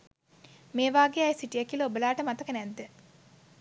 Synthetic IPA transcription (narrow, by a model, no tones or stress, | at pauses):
meːʋaːɡeajsiʈijekiləobəlaːʈəmat̪ɐkənɛd̪ːə